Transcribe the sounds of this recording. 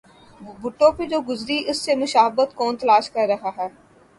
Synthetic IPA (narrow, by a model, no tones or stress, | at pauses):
bʱʊʈːõːped͡ʒoːɡʊzɾiʔɪsːemʊʃaːɦəbət̪kɔːnt̪əlaːʃkəɾːəɦaːɦɛː